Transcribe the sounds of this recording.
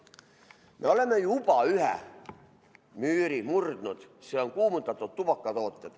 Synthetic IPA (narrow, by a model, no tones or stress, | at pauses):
mʔeolemːejupɑyhæ̰ | myːɾimurd̪nut̪seoŋkuːmut̪ːɑt̪ːot̪t̪ːupɑkːɑt̪oːt̪ːet̪